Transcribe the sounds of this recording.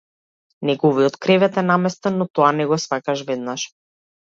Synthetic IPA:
nɛɡɔviɔt̪kɾɛvɛt̪ɛnamɛst̪ɛnːɔt̪ɔanɛɡɔsvakaʃvɛd̪naʃ

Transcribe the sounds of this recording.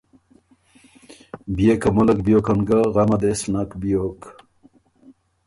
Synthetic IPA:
bijekɐmulɐkbijokɐnɡɐʁɐmɐd̪esnakbijok

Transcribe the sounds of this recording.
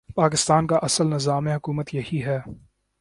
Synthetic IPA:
paːk̬ɪst̪aːnkaʔɐsəlnɪzaːmẽɦʊkuːmət̪jɐhiɦɛː

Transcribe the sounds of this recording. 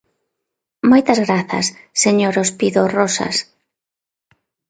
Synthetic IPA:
mojt̪ɐzɣɾaθɐ̰sːeɲoɾospiðorɔsɐ̰s

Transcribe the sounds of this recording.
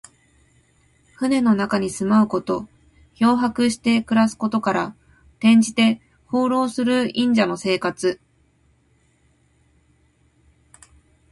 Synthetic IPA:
ɸɯ̟ne̞no̞nakaɲ̟isɨmaɯ̟ko̞t̪o̞ | ço̞ːɦakɯ̟ɕi̥t̪e̞kɯ̟ɾasɨ̥ko̞t̪o̞kaɾa | t̪ẽ̞ɲ̟d͡ʑit̪e̞ | ho̞ːɾo̞ːsɨɾɯ̟ĩɲ̟d͡ʑano̞se̞ːkat͡sɨ

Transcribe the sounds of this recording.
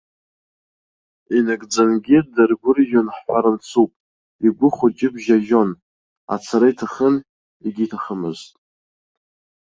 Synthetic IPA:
inaɡʼd͡zanɡʲidarɡʷʊrʒonħħʷaɾant͡sʰupʼ | iɡʷʊχʷʊt͡ʃʼɪbʷʒaʒo̞n | a̰t͡sʰaɾaitʰaχən | iɡʲitʰaχəmɨztʼ

